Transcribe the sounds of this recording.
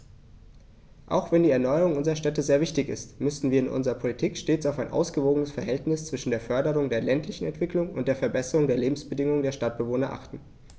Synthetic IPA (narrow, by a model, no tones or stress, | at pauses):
ʔa̰ʊxv̥ɛndiːɛɐnɔʏəʁʊŋʔʊnzəʁɐʃtɛtəzeːɐvɪçtɪçɪ̰stmʏsn̩viːɐɪnʔʊ̰nzəʁɐpʰolitʰiːkʃteːt͡saʊfaɪnʔa̰ʊsɡ̥əvoːɡənəsfɛɐɦɛltnɪst͡sv̥ɪʃn̩deːɐfœɐdəʁʊŋdeːɐlɛntʰlɪçn̩ɛntv̥ɪklʊŋʊ̰ntd̥eːɐfɛɐbɛsəʁʊŋdeːɐleːbm̩sb̥ədɪŋʊŋndeːɐʃtat̚b̥əvoːnɐʔa̰χtn̩